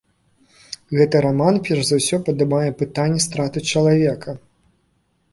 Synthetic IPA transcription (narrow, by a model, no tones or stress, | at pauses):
ɣɛt̪ɨɾamanpʲɛɾʐzawsʲɔpɐd̪abajɛpɨt̪anʲːɛst̪ɾat̪ɨt͡ʂɐlˠavʲɛkʰɐ